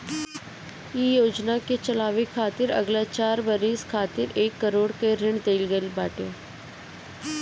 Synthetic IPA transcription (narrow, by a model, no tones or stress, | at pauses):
iːjoːd͡ʒnaket͡ʃəlaːʋikʰaːt̪ɪɾə̰ɡlaːt͡ʃaːɾbəɾiskʰaːt̪ɪɾeːkːəɾoːɽkeːɾɪɳd̪eilɡəilbaːʈaː